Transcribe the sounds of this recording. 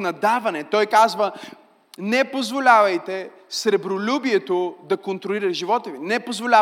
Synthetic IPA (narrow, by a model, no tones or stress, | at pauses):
nɐd̪avɐnɛt̪ɔjkazvɐ | nɛpozvolʲavɐjt̪ɛ | sɾɛbɾolʲubiɛt̪od̪ɐkont̪ɾoliɾɐʒivɔt̪əvinɛpozvolʲa